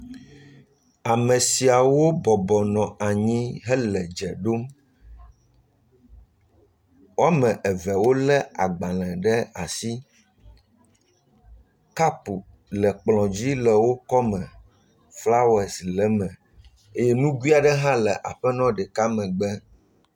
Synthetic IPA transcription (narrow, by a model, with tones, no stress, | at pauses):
a˨mɛ̃˨si˨a˨wo˦bɔ˨bɔ˨nɔ̃˨a˨ɲĩ˦ɦɛ˦lɛ˨d͡ʒɛ̰˨ɖo˦m | wo˦a˦mɛ̃˨ʔɛ˨vɛ˨wo˦lɛ˦a˨ɡ͡bã˨lɛ̃˨ɖɛ˦a̰˨si˦ | ka˦pu˨ | lɛ˨k͡plɔ̃˨d͡ʑi˦lɛ˨wo˦kɔ˦mɛ̃˨ | fla˦wɛ˨slɛ˨˦mɛ̃˨ | e˦jɛ˦nũ˦ɡwi˦a˨ɖɛ˦ɦã˦lɛ˨ʔa̰˨ɸɛ˦nɔ̃˦ɖɛ˨ka˦mɛ̃˨ɡ͡bɛ˦